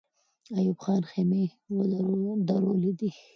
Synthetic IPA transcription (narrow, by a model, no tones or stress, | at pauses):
ajubχɑːnxeme | wd̪aɾolid̪i